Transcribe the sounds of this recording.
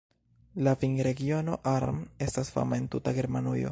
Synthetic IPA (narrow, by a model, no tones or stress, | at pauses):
lafiŋɡɾe̞ɡio̞no̞̰ʔaɾme̞stasfa̰mae̞ntutaɡe̞ɾmanujo̞̰